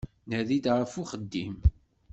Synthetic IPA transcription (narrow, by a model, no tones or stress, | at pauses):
nəðid̪ʁfuχəd̪ːim